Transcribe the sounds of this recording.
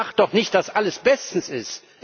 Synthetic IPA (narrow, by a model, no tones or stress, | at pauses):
χt̚d̥ɔχnɪçt̚d̥asʔaləsb̥ɛstn̩sɪst